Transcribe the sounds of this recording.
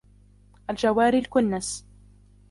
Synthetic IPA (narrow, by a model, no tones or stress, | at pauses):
ʔald͡ʒawːaːɾilkʊnːas